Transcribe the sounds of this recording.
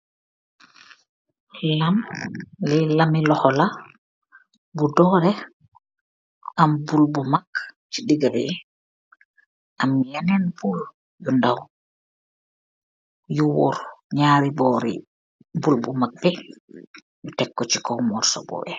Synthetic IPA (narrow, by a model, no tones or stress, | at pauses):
lamlilamilɔhɔla | budɔɾɛ | ʔambulbumakt͡ʃiɗiɡabɛ̰ | ʔamːijanɛnbul | jundaw | juwɔ̰ɾɲaɾibɔɾḭ | bulbumak̚bɛ | jutɛkːɔt͡ʃikɔmɔɾsɔ̰bɔ̰bɛ